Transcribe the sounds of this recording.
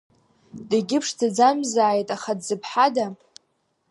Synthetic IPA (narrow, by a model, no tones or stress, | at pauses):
daɡʲɪpʰʂdad͡zamzaːjtʼaχadzɨpʰħada